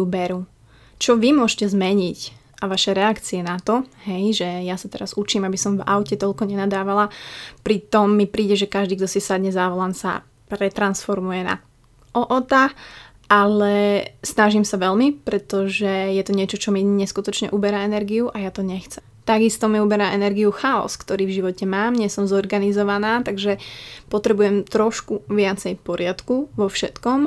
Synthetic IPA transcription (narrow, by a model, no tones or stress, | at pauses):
ubɛɾu | t͡ʃɔʋimʊɔʃcɛzmɛɲic | ʔaʋaʃɛɾɛakt͡siɛnat̪ɔɦɛjʒɛjasat̪ɛɾazut͡ʃiːmabisɔmva̰ʊcɛt̪ɔʎkɔɲɛnad̪aːʋalapɾit̪ɔmːipɾiːɟɛʒɛkaʒd̪iɡd̪ɔsisad̪ɲɛzaʋɔlansa̰ | pɾɛt̪ɾansfɔɾmujɛna̰ | ɔʔɔt̪a | ʔalɛsnaʒimsaʋɛlmipɾɛt̪ɔʒɛjɛt̪ɔɲɪɛt͡ʃɔt͡ʃɔmiɲɛskut̪ɔt͡ʃɲɛ̰ʔubɛɾaɛnɛɾɡiuʔajat̪ɔɲɛxt͡sɛm | t̪aɡist̪ɔmiubɛɾaʔɛnɛɾɡiuxaɔ̰skt̪ɔɾiːvʒiʋɔcɛmaːmɲɛsɔmzɔɾɡanizɔʋanaːt̪aɡʒɛpɔt̪ɾɛbujɛmt̪ɾɔʃkuʋɪat͡sɛjpɔɾɪat̪kuʋɔfʃɛt̪kɔm